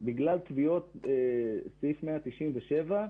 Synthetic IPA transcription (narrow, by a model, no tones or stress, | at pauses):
biɡlalt̪vio̞t̪esifmeat̪iʃʔimveʃeva